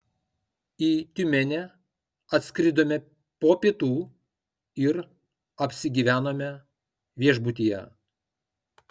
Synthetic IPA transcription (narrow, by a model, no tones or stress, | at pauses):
iːt̪ʲʊmʲɛnʲɛ | ɐt̪ʲsʲkɾʲɪd̪oːmʲɛ | poːpʲiɛt̪uː | ɪɾ | ɐpʲsʲɪɡʲiːʋʲæːnoːmʲɛ | ʋʲiɛʒbʊt̪ʲiːjɛ̰